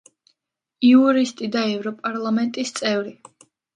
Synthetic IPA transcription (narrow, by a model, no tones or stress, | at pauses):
iuɾist̪ʼid̪aɛvɾɔpʼaɾlˠamɛnt̪ʼist̪sʼɛvɾi